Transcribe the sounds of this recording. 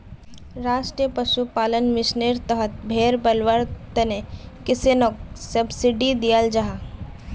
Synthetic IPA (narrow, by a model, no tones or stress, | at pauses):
ɾaːʃʈɾijəpɐʃupaːlənmɪʃneɾt̪əɦət̪̚bʱeːɾbɐlʋəɾt̪ənekɪsenoksɐbsɪɖid̪ijald͡ʒaɦa